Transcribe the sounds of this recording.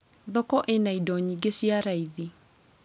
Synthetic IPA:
ðɔkɔʔenaidɔɲiɡesiaɾaiði

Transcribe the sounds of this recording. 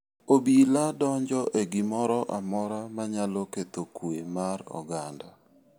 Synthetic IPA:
obiladɔɲd͡ʒɔʔeɡɪmɔɾɔʔamɔɾamaɲaloket̪okwemaɾɔ̰ɡanda

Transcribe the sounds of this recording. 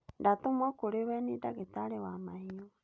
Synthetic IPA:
ndatomɔkoɾewɛnidaɣetaɾewamahiɔ

